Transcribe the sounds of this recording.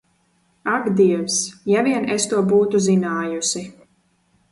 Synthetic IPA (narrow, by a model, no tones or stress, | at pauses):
aɡd̪iɛwsjaviɛnest̪uɔbuːt̪uzinaːjusi